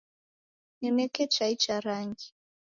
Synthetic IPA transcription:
nɛmɛkɛt͡ʃait͡ʃaɾaŋɡi

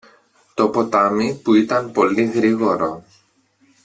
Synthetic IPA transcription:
t̪o̞po̞t̪ɐmipuit̪ɐnpo̞liɣɾiɣo̞ɾo̞

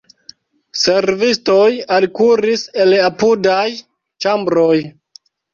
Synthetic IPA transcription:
se̞ɾvisto̞jalkuɾise̞lapudaj | t͡ʃambɾo̞j

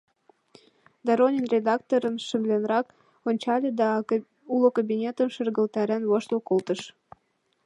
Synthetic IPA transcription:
d̪ɑɾonʲinrʲed̪ɑkt̪oɾənʃə̆mlʲenɾɑk | onʲt͡ɕɑlʲed̪ɑ | ulokobʲinʲet̪ənʃə̆rɣə̆lt̪æɾænβoʃt̪okolt̪əʃ

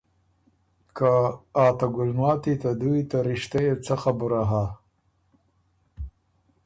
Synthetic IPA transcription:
kaːt̪aɡʊlnwɑːt̪it̪ad̪ujt̪aɾɪʃt̪ajet͡səxabʊɾaɦa

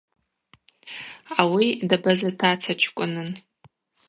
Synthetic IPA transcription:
awidabazatʰat͡sʰat͡ʃʷʰkʷʼʊnɨn

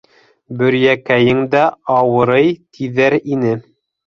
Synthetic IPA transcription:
bɵ̆ɾjækæjɘŋd̪æɑwɤ̆ɾɤjt̪ʰiðæɾinɘ

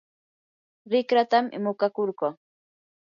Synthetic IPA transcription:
ɾɪkɾat̪amʔɪ̰mʊkakoɾɢoː

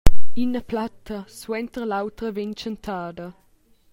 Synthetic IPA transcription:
inəplat̪ːəswɛnt̪əɾlawt̪ɾəveɲt͡ʃənt̪ʰaːd̪ɐ

